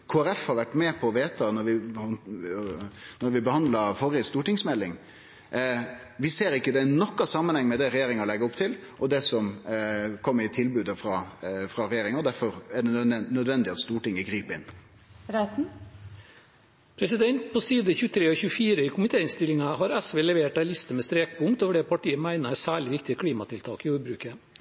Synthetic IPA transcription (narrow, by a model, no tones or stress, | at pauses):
kʰoːæɾɛfhɑɾʋæʈːmɛpʰɔːʋeːt̪ɑnɔɾʋɪ | nɔɾʋɪbəhɑnd̪lɑfɔɾjəst̪uːʈɪŋsmɛlːɪŋ | ʋɪseːɾɪkːəd̪ɛnɔkːɑsɑmːənhɛŋːmɛd̪ɛɾɛjeːɾɪŋəɔlɛɡːəɾʊpt̪ʰɪlʔɔd̪ɛsɔm | kʰɔmːəɾɪt̪ʰɪlbʉːd̪əfɾɑfɾɑɾɛjeːɾɪŋɑɔd̪æɾfɔɾɛɖɛnœd̪ʋɛnd̪ɪɑt̪st̪uːʈɪŋːəɡɾiːpəɪn | ɾæt̪n̩ | pʰɾɛsɪd̪ɛnt̪̚pʰɔsiːd̪əçʉːət̪ʰɾeːɔçʉːəfiːɾəɪːkʰʊmɪt̪ʰeːɪnst̪ɪlːɪŋɑɦɑɾɛsʋeːlɛʋeːʈ̚ælɪst̪əmɛst̪ɾeːk̚pʊŋkt̪oːʋəɖɛpʰɑʈiːəmæɪnəsæːɭɪʋɪkt̪ɪəkʰɽiːmɑt̪ɪlt̪ʰɑ̰ːkɪjuːɾbɾʉːkə